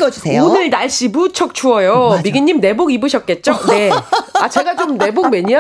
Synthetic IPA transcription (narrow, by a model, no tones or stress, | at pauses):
ʌd͡ʑueoonɯɭnaɭɕ͈imut͡ɕʰʌk̚t͡ɕʰuʌjomiɡiɲːimne̞boɡibɯɕʰʌt̚k͈e̞t̚t͡ɕ͈one̞at͡ɕe̞ɡat͡ɕomne̞bok̚meɲia